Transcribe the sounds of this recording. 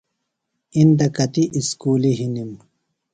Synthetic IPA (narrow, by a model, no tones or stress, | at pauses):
ind̪ɐkɐt̪iʔiskuːliɦinim